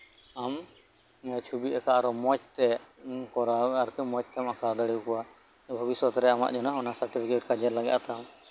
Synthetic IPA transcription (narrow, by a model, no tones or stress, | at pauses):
am | ɛt͡ʃʰubiʔɛkaʔaɾɔmɔt͡ʃ̚t̪ɛkɔɾaaɾɔkɛmɔt͡ʃ̚t̪ɛmakad̪aɽiwkɔwa | bʱɔbisɔt̪ɾɛama̰ʔd͡ʒɔnaɔnasaɾʈipʰikeʈ̚kad͡ʒɛɾlaɡɛʔat̪am